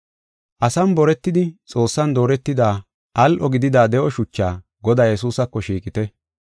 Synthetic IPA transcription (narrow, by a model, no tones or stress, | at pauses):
ʔɐsɐmbɔɾɛt̪ːɪd̪ɪt͡sʼo̞ːsːɐnd̪o̞ːɾɛt̪ːɪd̪aː | ʔɐlʔɔɡɪd̪ɪd̪aːd̪ɛʔɔʃʊt͡ʃːa̰ː | ɡɔd̪aːjɛs̬uːsɐkːɔʃiːkʼɪt̪ɛ